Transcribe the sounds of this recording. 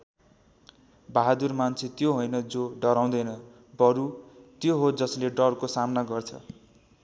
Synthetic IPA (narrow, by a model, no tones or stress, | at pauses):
baɦad̪urmant͡sʰet̪joɦojnʌd͡zoɖʌɾaw̃d̪ʌjnʌ | bʌɾut̪joɦod͡zʌsleɖʌrkosamnaɡʌrt͡sʰʌ̰